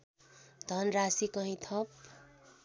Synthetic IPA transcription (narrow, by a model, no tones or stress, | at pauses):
d̪̥ʱʌnrasikʌɦĩt̪ʰʌp̚